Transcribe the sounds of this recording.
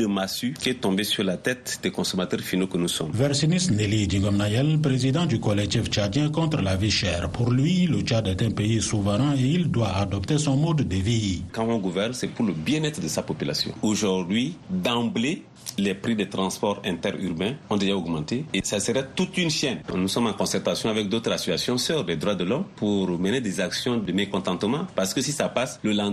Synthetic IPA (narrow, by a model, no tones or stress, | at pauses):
dəmasykʲiɛt̪ɔ̃mbesyɾlat̪ɛt̪d̪ɛkɔ̃somat̪ɛɾfinokənusɔ̰mvɛɾsinisnelidĩɡɔmnajɛlp̬ɾezid̪ɑ̃d̪ykɔlɛk̚t̪ift͡ʃad̪jɛ̃kɔ̃t̪ɾəlaviʃɛːʁpʰuɾlɥilət͡ʃad̪ɛt̪ɛ̃peisuvəɾɛ̃eild̪waad̪ɔpt̪esɔ̃mɔd̪ːəvikãɔ̃ɡuvɛɾnsɛpuɾləbjɛ̃nɛt̪χdəsapopyla̰sjɔ̰̃oʒuʁd̪ɥid̪ãble | lɛpɾid̪ət̪ɾɑ̃spɔɾɛ̃t̪ɛʁy̰ʁbɛ̃ɔ̃d̪eʒaoɡmɑ̃t̪eːsasəɾɛt̪ut̪ynʃjɛnnusɔmãkɔ̃sɛɾt̪asjɔ̃avɛk̚d̪ot̪ɾasyasjɔ̃sœʁdɛd̪ʁwad̪əlɔmpuɾməned̪ɛzaksjɔ̃d̪əmekɔ̃t̪ɑ̃t̪əmɑ̃paʁsə̥kəsisapasləlã